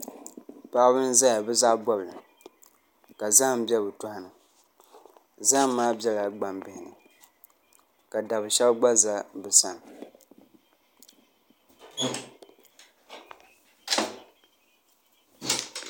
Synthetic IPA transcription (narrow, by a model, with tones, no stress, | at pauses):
pa˦bɨ˦n˦za˦ja˨bɛ˦zaː˦bɔ˦bɨ˨lɨ˨ | ka˨za˦ŋ˨m˦bʲɛ˦bɨ˨tʊ˦ha˦nɨ˨ | za˦ŋ˦m̩˦maː˦bɛ˦la˨ɡ͡ba˨mbɪ˨hɪ˨nɨ̰˨ | ka˨da˨bɨ˨ʃɛ˦bɡ͡ba˦za˦bɛ˨sa˨n˨